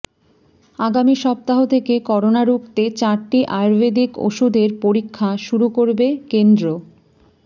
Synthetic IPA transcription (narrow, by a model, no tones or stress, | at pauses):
aɡamiʃɔp̚t̪aɦot̪ʰekekɔɾonaɾukt̪et͡ɕaɾʈiʔaɾbed̪iko̰ʃud̪eɾpoɾikʰːaʃuɾukoɾbekend̪ɾo